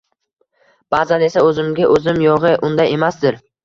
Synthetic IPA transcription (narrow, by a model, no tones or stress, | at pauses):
b̥aːzane̞saɵzɪmɡʲaʔɵzɪmjɒʁɨʔʊnd̪aje̞masd̪ɪɾ